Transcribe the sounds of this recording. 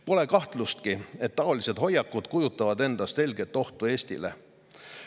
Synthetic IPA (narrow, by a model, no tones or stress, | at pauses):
po̞le̞kɑht̪lust̪kie̞t̪ːɑo̞lise̞d̪̥ɦo̞jːɑkːˑud̪̥kujut̪ːˑɑvɑd̪e̞nd̪̥ɑst̪se̞lʲɡet̪ːˑo̞ht̪ue̞ːst̪ḭlḛ